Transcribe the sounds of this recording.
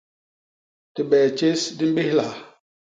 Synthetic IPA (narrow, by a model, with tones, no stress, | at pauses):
ti˨ɓɛː˨t͡ʃe˦sdi˦m˦be˦hla˨